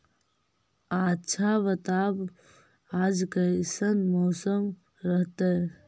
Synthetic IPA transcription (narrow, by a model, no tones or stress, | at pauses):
atːʃʰaʋət̪ab | ad͡ʒkəsənmɔːsəm | ɾəɦt̪ə